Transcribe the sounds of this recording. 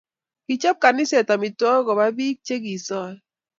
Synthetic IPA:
ki˨t͡ʃɔ˦p̚ka˨nɪ˦se˨ta˨mi˨tɔ˦kɔ˨ba˦bi˦k̚t͡ʃe˦ki˨sɔ˦l

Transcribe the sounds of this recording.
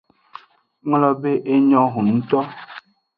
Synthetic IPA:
ŋ˦lɔ˦be˦ʔe˦ɲɔ̃˦ɦũ˨n̩˦t̪ɔ˦

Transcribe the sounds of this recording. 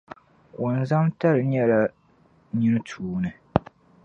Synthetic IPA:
ʔo˨n˨za˦mta˦lɨ˨ɲɛ˦la˨ | ɲi˦nɨ˦tʰuː˨nɨ˨

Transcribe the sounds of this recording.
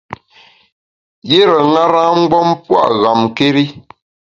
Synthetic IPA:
je˦ɾə˨ŋa˦ɾa˦ŋ̩˦ɡ͡bɔ˦mpwa̰˦˨ʔɣa˨m˨ke˦ɾi˦

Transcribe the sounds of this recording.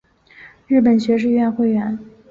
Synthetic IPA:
ɻɻ̩˥˩pə˨˩nɕɥɛ˧˥ʂ̬ɻ̩˥˧ɥɛ˥˧nxwe˥˩ɪɥɛ˧˥n

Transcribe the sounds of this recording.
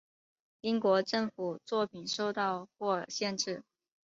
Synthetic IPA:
i˥ŋkwɔ˧˥ʈ͡ʂɤ˥˩ŋfu˨˩t͡swɔ˥˩pʰi˨˩nʂo˥˧ʊt̪ɑ˥˧ʊkwɔ˥˩ə˨˩ɕjɛ˥˧nʈ͡ʂɻ̩˥˩

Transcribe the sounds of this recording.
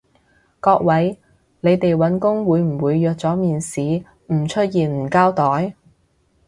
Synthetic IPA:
kɔː˧k̚wɐ˨˥j | ne˨˧jt̪e˨jwɐ˨˥nkʊ˥ŋwuː˨˧jm̩˨˩wuː˨˧jːœː˨˧k̚t͡sɔː˨˥miː˨nsiː˨˥ | m̩˨˩t͡ʃʰɵ˥t̚jiː˨nm̩˨˩kaː˥wt̪ɔː˨˥j

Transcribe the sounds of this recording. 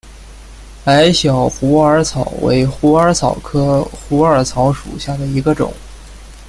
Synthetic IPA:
a˧˥ɪɕjɑ˨˩ʊpʰu˧˥ə˞˧˥t͡sʰɑ˨˩ʊwḛ˧˥ɪxu˧˥ə˞˧˥t͡sʰɑ˨˩ʊkʰɤ˥xu˧˥ə˞˨˩t͡sʰɑ˧˥ʊʂṵ˨˩ɕja˥˩d̪ə˩i˧˥ɡə˧ʈ͡ʂʊ̰˨˩˦ŋ

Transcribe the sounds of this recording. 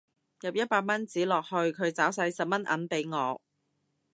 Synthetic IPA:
jɐ˨p̚jɐ˥t̚paː˧k̚mɐ˥nt͡siː˨˥lɔː˨k̚hɵ˧ɥkʰɵ˨˧ɥt͡saː˨˥wsɐ˨˧jsɐ˨p̚mɐ˥nʔɐ̰˨˥npe˨˥jŋɔː˨˧

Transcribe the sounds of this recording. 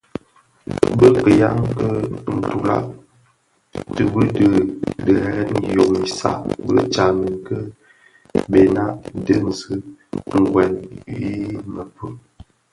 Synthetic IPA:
bə˦kə˨ja˦ŋ˦kə˦n̩˨tu˨la̰˦ʔ | tə˦bə˦də˦˨də˨ɛ˦˨jo˨ŋi˨sa̰˦bə˦t͡ʃa˨mi˨ŋkə˦ | be˨na˦ʔdə˦n̩˨zɨ˦ŋ̩˨ɡwɛ˨nwi˦mə˨pə˦

